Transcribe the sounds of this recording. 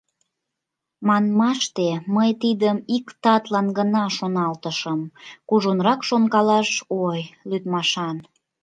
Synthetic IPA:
mɑnmɑʃt̪eməjt̪id̪əmikt̪ɑt̪lɑnɡənɑʃonɑlt̪əʃəmkuʒonɾɑkʃonkɑlɑʃojlyt̪mɑʃɑn

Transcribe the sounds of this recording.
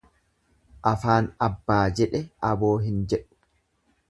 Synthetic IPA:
ʔɐfaːnɐbːaːd͡ʒɛᶑɛɐboːɦɪnd͡ʒɛᶑʊ̥

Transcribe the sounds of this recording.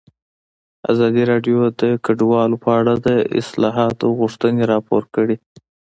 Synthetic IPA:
a̰zɑd̪iɾɑɖjod̪əkaɖwɑlopəaɽad̪əɪ̰slɑɦɑt̪oɣʊʂt̪əneɾɑpoɾkəɽi

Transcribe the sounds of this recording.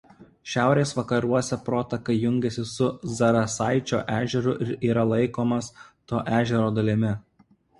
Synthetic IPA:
ʃʲæˑʊɾʲeːsʋɐkɐɾuɔsʲɛpɾoːt̪ɐkɐɪjʊŋʲɡʲɛsʲɪsʊzɐɾɐsɑɪt͡ʃʲo̰ːʔæːʒʲɛɾʊʔɪɾiːɾɐlˠɐɪkoːmɐst̪oːʔæːʒʲɛɾoːd̪ɐlʲɪmʲɪ

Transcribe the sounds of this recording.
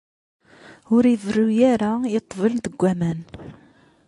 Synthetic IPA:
ʊɾjəvərːujæɾajət̪ˤːvəlt̪əɡʷːæmæn

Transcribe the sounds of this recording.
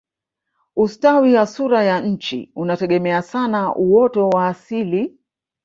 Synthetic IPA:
ustawiwasuɾajaɲ̩t͡ʃḭunatɛɠɛmɛasanaʔuwɔtɔwaːsili

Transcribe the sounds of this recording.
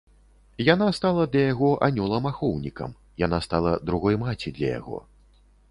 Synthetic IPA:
janast̪alˠɐd̪lʲɐjaɣɔʔanʲɔlˠɐmaxɔwnʲikɐ̰m | janast̪alˠɐd̪ɾuɣɔjmat͡sʲid̪lʲɐ̰ja̰ɣɔ̰

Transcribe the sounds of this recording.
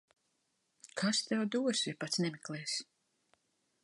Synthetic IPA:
kʰast̪ɛwd̪uɔsʲipat̪snɛmiklˠɛːs

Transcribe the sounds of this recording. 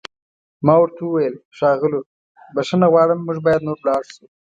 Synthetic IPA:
mɑwaɾt̪ʰawuwajəlʃɑɣɪlo | baʃanaɣwɑɽəmːuʒbɑjad̪noɾlɑɽsu

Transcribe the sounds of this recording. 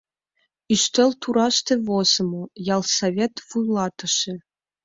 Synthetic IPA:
iʃt̪ĕlʲt̪uɾɑʃt̪ĕvoz̥ɤ̆mɤjɑlˠsavʲet̪vujlˠɑt̪ɤ̆ʃĕ

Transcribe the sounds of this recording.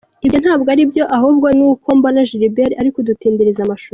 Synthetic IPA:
ibjon̥haːbɡaɾibjo̞ʔaɦubɡonuːkoːmbanaʒiɾibeɾaɾikodutiːndiɾizamaʃuːɾ

